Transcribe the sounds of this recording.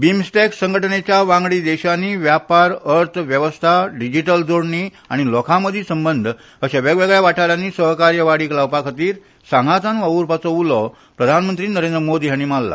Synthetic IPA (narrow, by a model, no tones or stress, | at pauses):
bimsʈeksəŋɡʱəʈənet͡ɕjaʋãŋɡɭiːd̪ɛɕanːiːʋjapaɾəɾt̪ʰʋjəʋəst̪ʰaɖid͡ʑiʈəld͡zoɽɳi | aɽ̃ilɔkʰaməd̪ʱiːsəmbənd̪ʱ | əɕaʋɛɡʋeɡɭjaʋaʈʰaɾanːiːsəɦkaɾjəʋaɽiːklaʋpakʰat̪iːɾ | sãŋɡat̪anʋaʋuɾpat͡sɔulɔ | pɾəd̪ʱanmənt̪ɾiːnəɾend̪ɾəmod̪ʱiɦjaɽ̃iːmalːa̰